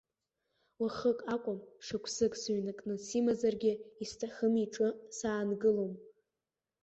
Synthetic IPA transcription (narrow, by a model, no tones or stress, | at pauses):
waχəkʼakʷʼʊmʂakʷʰsɨkʼsɥnɨkʼnɨsimazarɡʲɪistʰaχəmiʈ͡ʂʼɨsaːnɡɨlom